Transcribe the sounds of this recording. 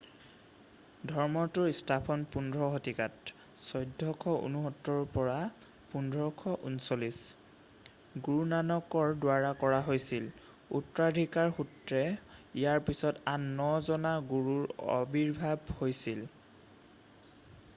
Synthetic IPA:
dʱɔɹmɔtʊɹistʰapʰɔnpundʱɹɔɦotikat | sɔjdʱːɔkʰɔṵnuɦɔtːɔɹɔpɔɹa | pundʱɹɔkʰɔʔṵnsolis | ɡuɹunanɔkɔɹdwaɹakɔɹaɦojsil | ṵtɹadʱikaɹxutɹɛijaɹpisɔtanːɔzɔnaɡuɹuɹɔ̰biɹbʱabhojsil

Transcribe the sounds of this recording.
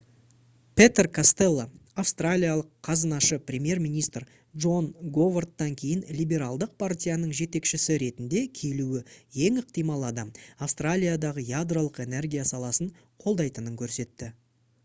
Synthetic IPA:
pʰe̞t̪erkʰast̪e̞lˠːaafst̪ralʲijalˠəqʰːɑzənɑʃəpɾʲemje̞rmijnʲijst̪r | ʒo̞nɡo̞vort̪ːɑŋkʲʰe̞jɪnlʲijbe̞ɾalˠd̪əq̚pʰartʲijanəɴʒe̞t̪e̞kʃɪsɪɾe̞t̪ɪnd̪e̞kʲʰeluwɪje̞ŋəqt̪ijmɑlˠɑd̪ɑmɑfst̪ralʲijad̪ɑʁəjad̪rolˠəqe̞ne̞rɡʲijasɑlˠɑsəɴ | qʰo̞lˠd̪ɑjt̪ənəŋkʲʰɵɾse̞t̪ːɪ

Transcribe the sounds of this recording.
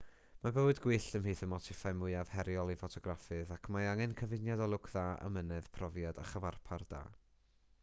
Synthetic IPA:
mabəwɨdɡwɪɬəmhɨːθəmɔtʰɪfajmʊɨað̥hɛɾjɔlˠifɔtʰɔɡrafɨðakʰmaaŋɛnkʰəvɪnjadɔlˠʊkʰðaːʔə̰mənɨð̥pʰrɔvjada̰χəvarpʰard̥a̰ː

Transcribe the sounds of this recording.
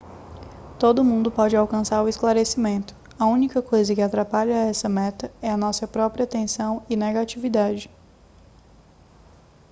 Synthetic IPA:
t̪od̪ʊmũnd̪ʊpɔd͡ʒɪawkɐ̃saɾʊisklaɾesimẽnt̪ʊ̥ | ɐũnikɐkojzɐkɪat̪ɾapaʎɐɛsɐmɛt̪ɐɛɐnɔsɐpɾɔpɾiɐt̪ẽsɐ̃w̃ɪneɡat͡ʃivid̪ad͡ʒɪ

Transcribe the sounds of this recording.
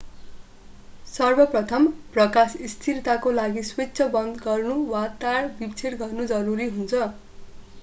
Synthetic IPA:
sʌrbʌprʌt̪ʰʌmprʌkasist̪ʰiɾt̪akolaɡisweːsʰʌbʌnd̪ɡʌrnuwat̪aɽbipt͡sʰeɽɡʌrnud͡zʌɾuɾiɦunt͡sʰʌ

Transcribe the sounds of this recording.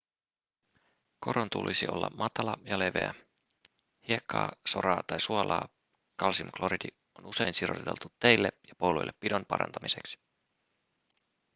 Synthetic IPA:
ko̞ɾont̪ṵlʔisio̞̰lːɑ̰mmɑt̪ɑlɑjɑle̞ʋe̞̰æ | hiekːɑ̰ːso̞ɾɑːt̪ɑjsuɑlɑ̰ː | kɑlsimklo̞ɾidi | o̞nuse̞jnsiro̰t̪et̪e̞lt̪ut̪ːejlːejɑpo̞wlo̰jlːepːido̞npɑ̰ɾɑ̰nt̪ɑmise̞ksi̥

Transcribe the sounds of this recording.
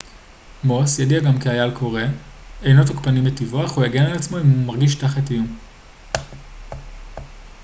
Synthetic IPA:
mo̞sjadiaɡamkiajalkʰo̞ʁe̞ejnotokpanimetivoaχujeɡe̞nelat͡smo̞immaʁɡiʃtaχatijum

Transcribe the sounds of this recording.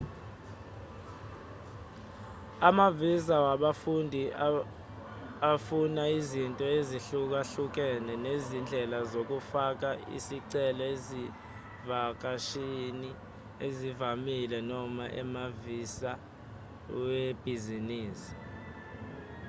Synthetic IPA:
amavizawaɓafundʱi | afunaizintʼɔeziɬuk̬aɬuk̬ɛnɛnezind͡ɮʱɛlazok̬ufak̬aḭsiǀɛlɔezi | vak̬aʃini | ezivamilɛnɔmaʔɛ̰mavisa | web̥ʱiziniːsi̥

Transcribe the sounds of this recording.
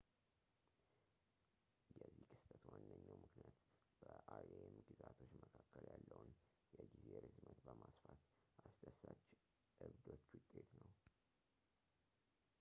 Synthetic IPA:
jɛzːihkʰʼɨst̪ʼət̪wanːəɲːawmɨknijat̪ | b̥əʔaeemɡɨzat̪ʰo̞t͡ʃːməkʰakːəljalːəwn | jɛɡizejɛɾɨzmət̪bəmasfat̪ | ʔasd̪əsat͡ʃː | ʔɨβd̪o̞t͡ʃːwʊt̪ʼːe̞t̪nəw

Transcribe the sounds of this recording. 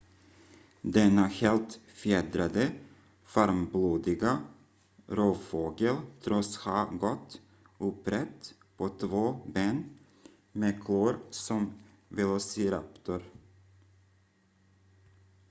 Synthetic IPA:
d̪ɛnːaheːlt̪fjeːd̪ɾad̪ə | faɾmbluːd̪ɪɡa | ɾoːfoːɡəlt̪ʰɾɔshaːɡɔt̪ː | ɵpɾɛt̪ː | pʰɔt̪ʰvoːbeːn | meːkʰloːɾsɔm | vɛlɔsɪɾapt̪ʊɾ

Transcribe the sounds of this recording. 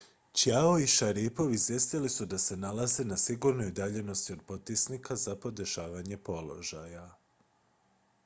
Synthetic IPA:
t͡ɕjaoiʃaɾipo̞ʋizʋje̞st̪ilisud̪ase̞nalaze̞nasiɡuɾnoid̪aʎe̞no̞st̪io̞d̪̚po̞t̪̚pisnikʰazapo̞d̪e̞ʃaːʋaɲe̞po̞lo̞̰ʒaja

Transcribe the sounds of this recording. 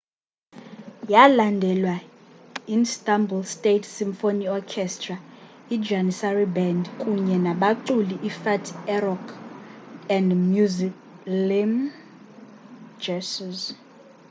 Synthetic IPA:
jalandʱɛlwa | instʼambulstʼetʰsiɱfoniɔkʰɛstʰʼra | i̥d͡ʒanisaribɛndkʼuɲɛnaɓaǀuliʔifatʰɛrɔkʰ | ɛndmjuziklim | d͡ʒɛsiz

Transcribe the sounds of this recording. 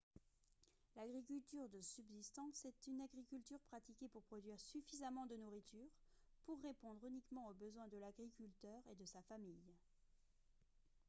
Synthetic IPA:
laɡʁik̬ʲylt̪yʁd̪əsybzist̪ɑ̃sɛt̪ynaɡʁikʲylt̪yʁpχat̪ikʲepuʁpχɔd̪ɥiʁsyfizamɑ̃d̪ənuʁit̪yːʁ | puʁːepɔ̃d̪ʁynikmɑ̃obəzwɛ̃d̪əlaɡʁikʲylt̪œʁed̪əsafamij

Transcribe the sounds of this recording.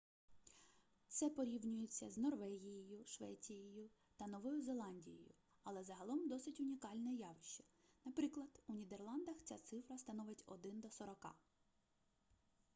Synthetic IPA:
t̪sɛpɔɾʲiwnʲʊjet͡sʲːɐznɔrʋɛɦʲijɪjʊʃʋɛt͡sʲijɪjʊ | t̪ɐnɔʋɔjʊzelˠɑnʲdʲijɔ̰jʊ̰ | ɐlˠɛzɐɦɐlˠɔmd̪ɔsɪtʲʊnʲikɑlʲnɛjɑʋɪʃt͡ʃɛ̥nɐpɾɪklˠɐd̪unʲid̪erlˠɑnd̪ɐxt͡sʲa̰t̪sɪfɾɐst̪ɐnɔʋɪtʲɔ̰d̪ɪnd̪ɔsɔɾɔkɑ̰

